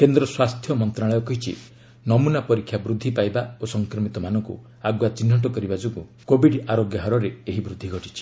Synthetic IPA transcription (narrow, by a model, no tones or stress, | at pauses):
kend̪ɾɔswast̪ʰjɔmɔnt̪ɾaɭ̃ɔjɔkɔɦit͡ʃʰḭ | nɔmunapɔɾikʰːjabɾud̪ʱːipajbaosɔŋkɾɔmit̪ɔmanɔŋkṵ | aɡwat͡ʃinːɔʈ̬ɔkɔɾibad͡ʒoɡu | kobiɖaɾoɡjɔɦɔɾɔɾeeɦibɾud̪ʱːiɡʱɔʈit͡ʃʰi̥